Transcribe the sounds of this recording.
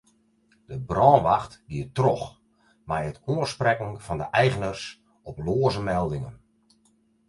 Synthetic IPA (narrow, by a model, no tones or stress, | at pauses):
d̥əbrɔːnʋaxtɡiətrɔx | majətuəsprɛkn̩fɑndəʔɛjɣənərs | ɔploːəzəmɛlˠdɪŋən